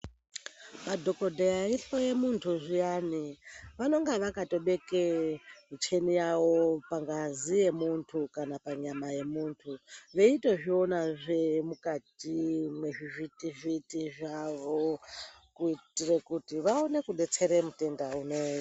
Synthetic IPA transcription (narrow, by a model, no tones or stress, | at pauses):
madʱo̞ko̞dʱeaiɬo̞je̞muntʰuʐijaniʋano̞ŋɡeʋakato̞ɓe̞kemit͡ʃʰe̞nijawo̞paŋɡazije̞muntʰukanapaɲamaje̞muːntʰuʋe̞ite̞ʐio̞naʐemukatimwe̞ʐivitivitiʐaʋo̞ | kuitire̞kutiʋaone̞kuɗe̞t͡se̞ɾemute̞ndaunojo